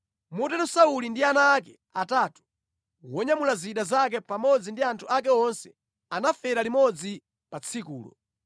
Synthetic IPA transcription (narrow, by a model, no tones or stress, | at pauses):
mutɛlusaulindianaːk̬ɛ | atatu̥ | wɔɲamulaziɗazak̬ɛpamɔd͡zindiantʰuakɛɔnsɛ | anafɛɾalimɔd͡zi | pat͡sʰikuːlɔ̰